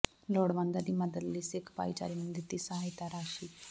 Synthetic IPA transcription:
loɽʋand̪ad̪iməd̪əllisekʰpa̰jt͡ʃa̰ɾimənd̪ʱit̪iːsəɦajt̪aɾaːʃiː

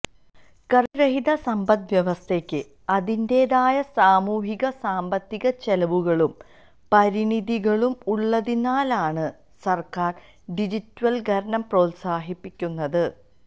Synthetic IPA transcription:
kɐriɾɐɦiðɐsɐmbɐd̪ʋjɐʋɐst̪ʰe̞kʲːɨ | ɐðinde̞ːðaːjɐsaːmuːɦiɣɐsaːmbɐt̪ːiɣɐt͡ɕelɐʋuɣɐɭum | pɐɾiniðiɣɐɭumuɭːɐðinaːlaːɳɨ | sɐrkaːr | ɖid͡ʑitːʋɐlɡʱɐɾɐɳɐmpro̞ːt̪saːɦipːikʲːunːɐðɨ

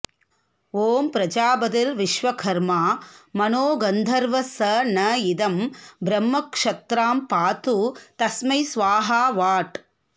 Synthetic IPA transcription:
oːmpɾɐd͡ʒaːbɐd̪ɐlʋiʃʋɐkʰɐɾmaːmɐnoːɡɐnd̪ʱɐɾʋɐsɐnɐjid̪ɐmbɾɐmːɐkʂɐt̪ɾaːmpaːt̪ut̪ɐsmɐjsʋaːɦaːʋaːʈ

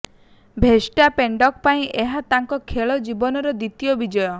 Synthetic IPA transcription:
bʱesʈapeɳɖɔk̚paĩʔeɦat̪aŋkɔkʰeɭɔd͡ʒibɔnɔɾɔd̪it̪ijɔbid͡ʒɔjɔ

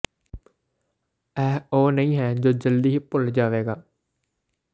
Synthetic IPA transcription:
ɛːɦoːnəĩːɦɛːd͡ʒoːd͡ʒəld̪iːɦipʊld͡ʒaːʋeːɡaː

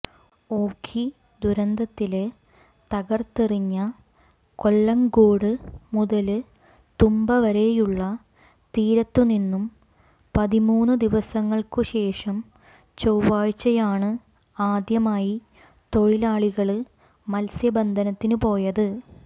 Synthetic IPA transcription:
o̞ːkʰːi | d̪uɾɐnd̪ʱɐt̪ːil | t̪ɐɣɐrt̪iriɲːɐ | ko̞lːɐŋɡoːɽɨmuðɐlɨ | t̪umbɐʋɐɾe̞juɭːɐ | t̪iːɾɐt̪ːuninːum | pɐðimuːnːɨd̪iʋɐsɐŋːɐɭkuɕe̞ːʂɐm | t͡ɕowʋaːɻt͡ɕːɐjaːɳɨ | aːd̪jɐmaːji | t̪o̞ɻilaːɭiɣɐɭi | mɐlsjɐbɐnd̪ʱɐnɐt̪ːinupo̞ːjɐðɨ

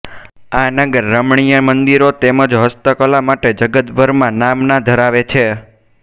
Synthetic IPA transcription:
anəɡəɾːəmɳijəmənd̪iɾot̪eməd͡ʒɦəst̪əkəlamaʈed͡ʒəɡət̪bʱəɾmãnamnad̪ʱəɾaʋet͡ʃʰe

